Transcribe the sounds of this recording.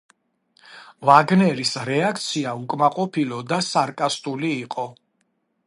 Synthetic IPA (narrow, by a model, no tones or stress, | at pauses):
vaɡnɛɾisɾɛakʰt̪sʰiaukʼmaqʼɔpʰilɔd̪asaɾkʼast̪ʼuliːqʼɔ